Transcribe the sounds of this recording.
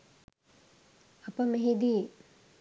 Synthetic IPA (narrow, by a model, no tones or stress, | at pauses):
ɐpɐmeɦed̪i